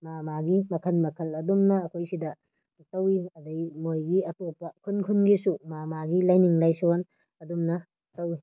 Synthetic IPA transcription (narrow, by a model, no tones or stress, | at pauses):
mamaɡimɐkʰɐlmɐkʰɐlɐdumnɐːkʰojsidɐ | tɐwiɐdɐjmojɡiɐtopɐkʰunkʰunɡisumamaɡilajniŋlajsowan | ɐdumnɐ | tɐwi